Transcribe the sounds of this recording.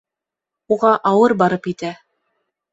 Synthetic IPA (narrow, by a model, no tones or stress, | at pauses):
uʁɑʔɑwɤɾbɑɾɤpit̪æ